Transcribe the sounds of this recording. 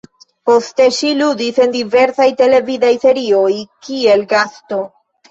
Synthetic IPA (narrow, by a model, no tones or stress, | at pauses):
po̞st̪e̞ʃiludise̞nd̪ive̞ɾsajte̞le̞vidajse̞ɾiojkie̞lɡasto̞